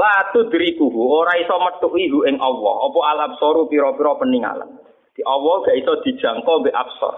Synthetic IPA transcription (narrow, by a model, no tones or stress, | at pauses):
lat̪ud̪̥iɾikuɦuoɾaisɔmət̪ʊʔiɦuɪŋɔwɔ̰ɔpɔalabsɔɾupiɾɔpiɾɔpəniŋa̰lə̰n | d̪̥i̤ʔɔwɔɡ̥aʔisɔd̪̥i̤d̥ʒ̥ä̤ŋkɔmbeʔabsɔ̰r